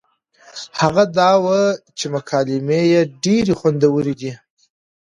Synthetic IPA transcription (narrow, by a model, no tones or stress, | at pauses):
haɣad̪ɑwət͡ʃemʊkʰɑlɪmejeɖeɾixwand̪awəɾid̪i